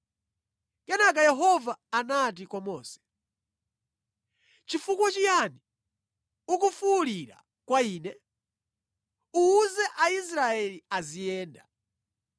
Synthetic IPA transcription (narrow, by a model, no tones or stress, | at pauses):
kɛnak̬ajɛɦɔvaːnat̬ikwamɔːsɛ̥ | t͡ʃifukwat͡ʃijani | uk̬ufuliɾa̰ | kwaiːnɛ | uːzɛʔaisɾaɛliazijɛːnda